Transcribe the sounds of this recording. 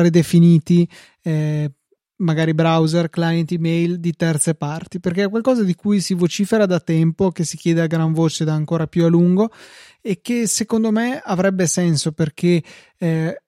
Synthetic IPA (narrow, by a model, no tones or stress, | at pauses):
ɾed̪efiniːt̪i | ɛ | maɡaːɾibɾawzerklajent̪imejld̪it̪ɛrt̪separt̪iperkeɛkwalkɔːzad̪ikujsivot͡ʃiːfeɾad̪at̪ɛmpokesik̟jɛːd̪eaɡɾaɱvoːt͡ʃed̪aːŋkoːɾapjualuŋɡo | ekːesekond̪omeavɾɛbːesɛnsoperk̟e